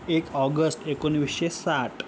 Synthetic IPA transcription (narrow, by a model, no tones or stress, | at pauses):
ekɔɡəsʈekoniʋiʃesaʈ